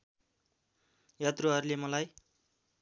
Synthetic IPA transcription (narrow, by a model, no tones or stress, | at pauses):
jat̪ruɦʌɾulemʌlaj